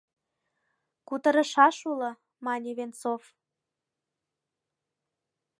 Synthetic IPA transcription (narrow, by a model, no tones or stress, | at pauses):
kut̪ə̆ɾə̆ʃɑʃulɤ̆ | mɑnʲiβent͡sof